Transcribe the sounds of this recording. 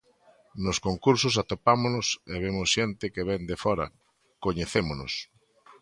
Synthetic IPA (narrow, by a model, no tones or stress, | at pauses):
nʊskoŋkuɾsʊsat̪opamonʊseβ̞emʊsʃent̪ɪkeβ̞end̪efɔɾɐ̰ | koɲeθemonʊ̰s